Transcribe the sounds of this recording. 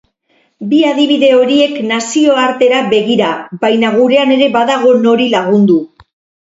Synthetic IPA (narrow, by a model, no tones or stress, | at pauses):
biað̞iβiðe̞o̞ɾie̞knasio̞aɾt̪e̞ɾaβe̞ɣiɾabajnaɣuɾe̞ane̞ɾe̞βaðaɣ̞o̞no̞ɾilaɣ̞und̪u